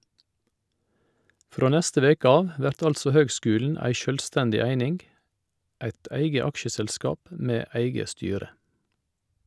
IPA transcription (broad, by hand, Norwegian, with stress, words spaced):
ˈfɾoː ˈnɛstə ˈʋeːk ˈɑːʋ ˈʋæɾt ˈɑlsɔ ˈhøːɡˌskʉːln̩ ˈæɪ ˈʃœlˌstɛndɪ ˈæɪnɪŋ ˈæɪt ˈæɪɡə ˈɑkʃəsɛlˌskɑːp ə ˈmeː ˈæɪɡə ˈstyːɾə